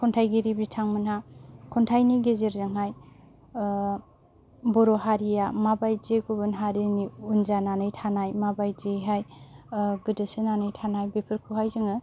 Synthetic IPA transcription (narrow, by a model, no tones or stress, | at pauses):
kʰɔntʰajɡeɾibitʰaŋmɯnɦakʰɔntʰajniɡezeɾzaŋɦaj | bɔɾɔɦaɾijamabajd͡ʒeɡubɯnɦaɾiniunzananɯjtʰanajmabajd͡ʒeɦaj | ɡɯdɯsɯnanɯjtʰanajbepʰɯɾkʰuɦajzɯŋɯ